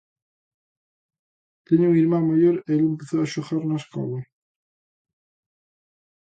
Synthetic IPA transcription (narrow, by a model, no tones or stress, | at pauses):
t̪eɲuŋiɾmãŋmaʎoɾeelempeθoaʃoxaɾnɐskɔ̰we